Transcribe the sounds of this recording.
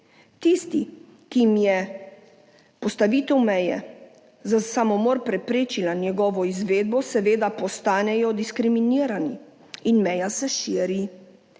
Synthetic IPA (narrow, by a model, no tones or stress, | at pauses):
t̪ist̪i | kimjɛ | pɔst̪aʋiːt̪ɛwmɛjɛ̰ | zasamɔmɔɾpɾɛpɾeːt͡ʃilanjɛɡɔːʋɔizʋeːd̪̚bɔsɛʋeːd̪apɔst̪aːnɛjɔd̪iskɾiminiːɾani | inmɛjasɛʃiːɾi